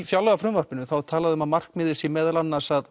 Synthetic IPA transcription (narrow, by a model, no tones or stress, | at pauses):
fjalɣafɾʏmvar̥pɪnʏθawt̪ʰaːlaðɪʏʏmaðmar̥kmɪːðɪsɪmɛːðalanːaɾ̥sað